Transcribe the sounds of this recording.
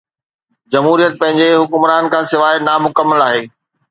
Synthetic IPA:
d͡ʑɐmɦuːɾijət̪̚pɐ̃ɦɪ̃ɲd͡ʑeɦʊkʊmɾaːnkʰãːsɪʋaːenamʊkəmːəlaːɦeː

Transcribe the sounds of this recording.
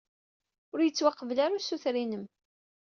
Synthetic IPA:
ʊɾjət͡sːwɑqːəvlaɾasuθɾinəm

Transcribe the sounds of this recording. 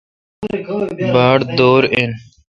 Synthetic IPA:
baːɽd̪oːɾen

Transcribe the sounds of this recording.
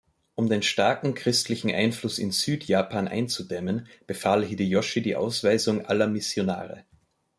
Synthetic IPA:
ʔʊmdeːnʃtaɐkŋ̩kʁ̥ɪstlɪçn̩ʔa̰ɪnflʊsɪ̰nz̥yːtʰjaːpʰaːnʔa̰ɪnt͡sudɛmənb̥əfaːlɦidijɔʃidiːʔa̰ʊsv̥aɪzʊŋʔalɐmɪsjona̰ːʁə̰

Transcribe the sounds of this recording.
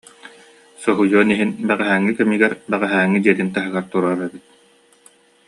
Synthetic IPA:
sɔɦujuɔniɦinbɛʁɛɦæːŋːikɛmiɡɛɾbɛʁɛɦæːŋːid̪iɛt̪int̪aɦɯɡaɾt̪uɾaːɾɛbit̪̚

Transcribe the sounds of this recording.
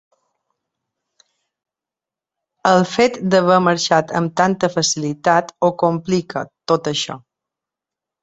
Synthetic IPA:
əlˠfet̪d̪əβəməɾʃat̪ə̰mt̪ant̪əfəsilit̪at̪okomplikʰət̪ot̪əʃɔ̰

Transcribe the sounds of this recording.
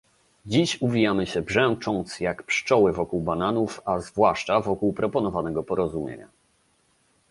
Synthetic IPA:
d͡ʑiɕuvʲijamɘɕɛbʐɛw̃t͡ʂɔ̃nt̪sjakpʂt͡ʂɔwɘvɔkuwbananufazvwaʂt͡ʂavɔkuwpɾɔpɔnɔvanɛɡɔpɔɾɔzumʲjḛɲa̰

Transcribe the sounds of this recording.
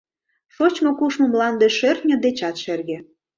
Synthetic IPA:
ʃot͡ɕmokuʃmə̆mlɑnd̪eʃertʲnʲĕd̪et͡ɕɑt̪ʃerɣĕ

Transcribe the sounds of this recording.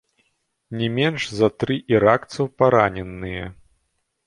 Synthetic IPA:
nʲɛmʲɛnʐzɐt̪ɾɨʔiɾakt̪sɐwpaɾanʲɛnːɨjɛ

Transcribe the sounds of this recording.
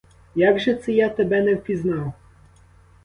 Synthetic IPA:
jaɡʐɛt̪sɨjat̪ɛbɛnɛwpʲiznɑw

